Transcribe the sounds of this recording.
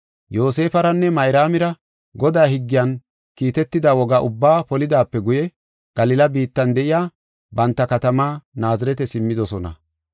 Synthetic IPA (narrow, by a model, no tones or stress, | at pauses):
jo̞ːs̬e̞ːfɐɾɐnːɛmɐjɾaːmɪɾɐ | ɡɔd̪aːɦɪɡːɪjɐn | kiːt̪ɛt̪ːɪd̪aːwɔɡaʔʊbːaːpɔlɪd̪aːpːɛɡʊjɛ | ɡ̥ɐlɪlɐbiːt̪ːɐnd̪ɛʔɪjaː | bɐnt̪ːɐkɐt̪ɐmaːnaːzɪɾɛt̪̬ɛsɪmːɪd̪ɔsɔnɐ̰